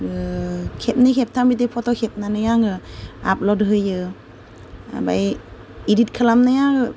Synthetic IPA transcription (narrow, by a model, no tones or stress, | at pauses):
ɯkʰep̚nikʰep̚tʰambitepʰɔtɔkʰep̚nanajaŋɯa̰p̚lɔdɦɯjɯ | a̰ba̰j | idit̚kʰalamnajaŋɯ